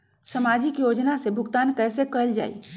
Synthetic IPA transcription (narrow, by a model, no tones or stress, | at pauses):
sɐmaːd͡ʒɪkjoːd͡ʒnasebʱʊɡt̪aːnkɛːsekəld͡ʒa̰ːḭː